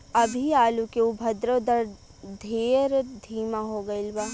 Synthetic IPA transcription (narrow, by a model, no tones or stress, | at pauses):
ɐbʱiaːlukeubʱɐd̪ɾod̪ɐɾ | d̪ʱeːɾd̪ʱiːmaɦoːɡɐɪlbaː